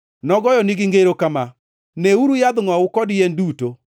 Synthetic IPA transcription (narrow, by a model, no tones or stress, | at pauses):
nɔɡɔjɔniɡiŋɡeɾokama | neuɾujaðʊŋwaokɔdienduto